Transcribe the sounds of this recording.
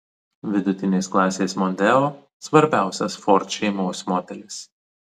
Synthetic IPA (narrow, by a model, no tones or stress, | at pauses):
ʋʲɪd̪ʊt̪ʲɪnʲeːsklˠɑːsʲeːsmɔnʲd̪ʲɛoː | sʋɐɾʲbʲæˑʊsʲɛsfɔɾʲt̪ʃʲɛɪmoːsʲmoːt̪ʲɛlʲɪs